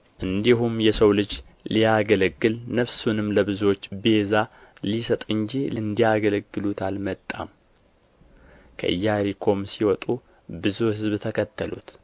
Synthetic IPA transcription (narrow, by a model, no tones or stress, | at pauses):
ʔɨnd̪iɦumjɛsəwlɨd͡ʒlijaɡələɡːɨlnəβsunɨmləβɨzuwot͡ʃːbezalisət̪ʼɨnd͡ʒiɨnd̪ijaɡələɡːɨlut̪ʰalmət̪ʼːa̰m | kʰə̰ʔɨjːaɾikʰo̞msiwɔt̪ʼu | bɨzuhɨzbt̪ʰəkʰət̪ʰːəlṵt̪